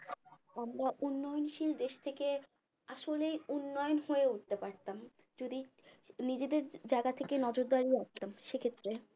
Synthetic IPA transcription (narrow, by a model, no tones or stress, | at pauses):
amɾaʔunːɔjonʃild̪eʃt̪ʰeke | aʃolejunːɔjonhoeuʈ̚t̪epaɾt̪am | d͡ʑod̪inid͡ʑed̪eɾd͡ʑaɡat̪ʰekenɔd͡ʑoɾd̪aɾiap̚t̪amʃekʰet̪ːɾe